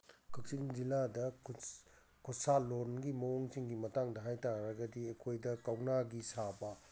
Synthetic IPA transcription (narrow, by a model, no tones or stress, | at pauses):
kʰɐk̚siŋziladɐ | kʰɔsaloɾnɡimɐwoŋsiŋɡimɐtaŋdɐɦajtaɾɐɡɐdiekʰojdɐkawnaɡisabɐ